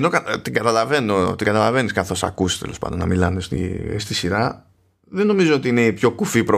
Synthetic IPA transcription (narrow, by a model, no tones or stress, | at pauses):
no̞kɐt̪iŋɡɐt̪ɐlɐve̞no̞t̪iŋɡɐt̪ɐlɐve̞niskɐθo̞sɐ̰kuse̥st̪elo̞spɐ̰nd̪onɐ̰milɐnest̪ḭst̪isiɾɐ | ðeno̞mizoot̪iine̞ipço̞kufipɾo